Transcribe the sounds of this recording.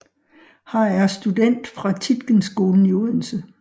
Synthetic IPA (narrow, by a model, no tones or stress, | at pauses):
hɑ̈æɐsd̥ud̥en̰d̥fʁɑ̈t͡sʰid̥ɡ̥ənsːɡ̥o̝ːln̩iul̩sə